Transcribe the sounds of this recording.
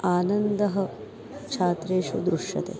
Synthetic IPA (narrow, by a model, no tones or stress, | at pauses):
aːnɐnd̪ɐɦɐ | t͡ʃʰaːt̪ɾeːʂud̪ɾuʂjɐ̰t̪ḛː